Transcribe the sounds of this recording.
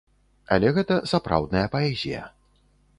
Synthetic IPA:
a̰lʲɛɣɛt̪ɐsapɾa̰wd̪nɐjɐpaɛzʲijɐ̰

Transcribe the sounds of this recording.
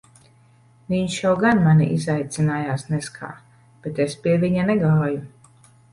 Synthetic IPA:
viɲʃjawɡanmanʲḭʔizajt̪sinaːjaːsnɛskʰa̰ː | b̥et̪espʲiɛviɲanɛɡaːju

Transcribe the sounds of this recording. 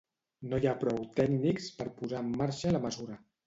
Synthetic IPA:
nojapɾɔwt̪ɛknikspəɾpuzaəmːaɾʃələməzuɾə

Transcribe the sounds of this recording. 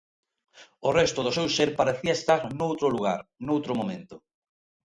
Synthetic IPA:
ʊrɛst̪ʊðʊsewseɾpaɾeθiɐest̪aɾnowt̪ɾoluɣa̰ɾnowt̪ɾomomẽnt̪ʊ

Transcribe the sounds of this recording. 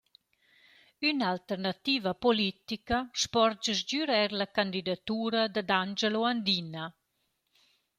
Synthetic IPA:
ynalt̪ɛɾnat̪iːvapɔlit̪ikaʃpɔɾd͡ʒəzd͡ʒyɾɛɾlakand̪id̪at̪uːɾad̪ad̪and͡ʒəloand̪ina

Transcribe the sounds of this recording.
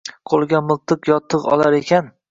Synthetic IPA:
qʰolˠɡʲamɨlˠt̪ʰɨqjɒt̪ʰːɨqɒ̰lˠaɾe̞kʲʰan

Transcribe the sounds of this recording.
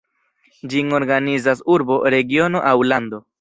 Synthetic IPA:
d͡ʒiŋo̞ɾɡanizasuɾbo̞ɾe̞ɡio̞no̞ʔawland̪o̞

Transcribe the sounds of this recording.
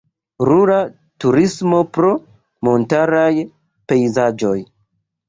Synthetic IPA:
ɾuɾa | tuɾismo̞pɾo̞ | mo̞ntaɾaj | pe̞jzad͡ʒo̞j

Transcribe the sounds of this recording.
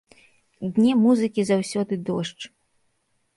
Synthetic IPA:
d̪ʲnʲɛmuzɨkʲizawsʲɔd̪ɨd̪ɔʂt͡ʂ

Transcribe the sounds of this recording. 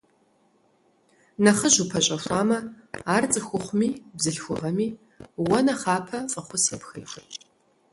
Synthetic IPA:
nɐχəʑupʰɐɕʼɐfʷaːmɐ | aːrt͡sʼɨxʷʊχʷʊmiːbzɨɬxʷʊʁɐmiː | wɐnɐχaːpʰɐfʼɐχʷʊsəpxḛjxʷi

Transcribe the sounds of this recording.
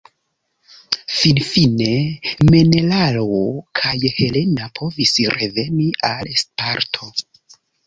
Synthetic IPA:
finfine̞me̞ne̞lalokʰajhe̞le̞napʰo̞visɾeve̞niʔalespaɾtʰo̞

